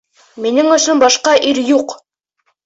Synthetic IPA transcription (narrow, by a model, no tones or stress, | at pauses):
minɘŋɵ̆ʃɵnbɑʃqɑʔiɾjuq